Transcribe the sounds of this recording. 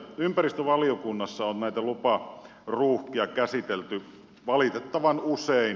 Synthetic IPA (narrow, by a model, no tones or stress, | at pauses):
ympærist̪øʋɑliokunːɑsːɑonnæit̪ælupɑ | ruːhkiɑkæsit̪elt̪y | ʋɑlit̪et̪ːɑʋɑnusein